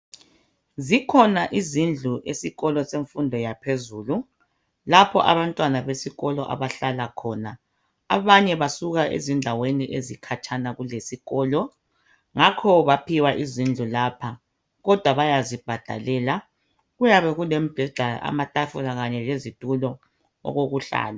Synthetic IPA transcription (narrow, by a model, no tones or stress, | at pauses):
zikʰɔnaʔizind͡ɮʱuʔesiɣɔlɔseɱfundʱɔjapʰezuːlu | lapʰɔʔa̰βantʼwanaβesiɣɔlɔʔa̰βaɬalakʰɔnaː | βaɲɛβasuɣaʔḛzindʱaweniʔezikʰat͡ʃʰʼanaɣulesiɣɔːlɔ | ŋakʰɔβapʰiwaʔizind͡ɮʱulaːpʰa | ɣɔd̥ʱwaβajazib̥ʱad̥ʱa̰lɛːla | ɣujaβɛɣulem̩b̥ʱɛɮ̥ʱaʔa̰matʼafuɣaɣaɲɛlezitʼulɔ | ɔ̰ɣoɣuɬa̰ːla